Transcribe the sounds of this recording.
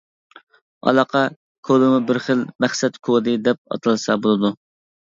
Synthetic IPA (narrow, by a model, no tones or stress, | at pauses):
ɑ̰lˠɑqʰɑ | kʰolˠɨmubɪɾχəlmæχsɛt̪kʰod̪ɨd̪ɛp̚ɑ̰t̪ʰɨlˠsɑbolˠɨd̪u